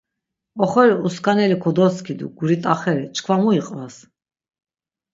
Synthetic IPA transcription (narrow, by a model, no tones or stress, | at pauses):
ɔχɔɾiuskʰanɛlikʰɔd̪ɔskʰid̪ṵɡuɾit̪ʼaχɛɾit͡ʃkʰvamuiqʼvas